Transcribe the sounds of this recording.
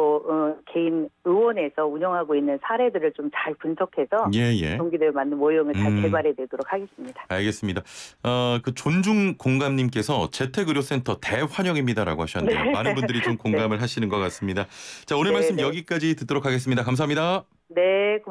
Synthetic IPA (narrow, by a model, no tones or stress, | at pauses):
oɯke̞inɯwʌne̞sʰʌuɲʌŋɦaɡoinːɯnsʰaɾe̞dɯɾɯɭt͡ɕomt͡ɕaɭpunsʰʌkʰe̞sʰʌje̞je̞̰oŋɡidemanːɯnmojoŋɯɭt͡ɕaɭke̞baɾɦe̞dwedoɾok̚hʰaɡe̞s͈ɯmɲid̥ḁaɭɡe̞s͈ɯmɲidaʌkɯt͡ɕond͡ʑuŋkoŋɡamɲimk͈e̞sʰʌt͡ɕe̞tʰeɡɯɾjos͈e̞ntʰʌte̞ɸwaɲʌŋimɲidaɾa̰ɡohaɕʰʌndejomanɯnbundɯɾit͡ɕomkoŋɡamɯɭɦaɕʰinɯnɡʌk͈as͈ɯmɲidat͡ɕaonemaɭs͈ɯmjʌɡik͈ad͡ʑitɯt͈oɾokʰaɡe̞s̬͈ɯmɲidakams̬ʰaɦamɲida | ne̞k